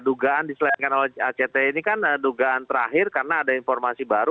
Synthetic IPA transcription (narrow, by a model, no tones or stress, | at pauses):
duɡaandisəlankanolɛat͡ʃet̪ɛinikanduɡaant̪əɾaɦɪrkarnaːdainfɔrmasibaɾu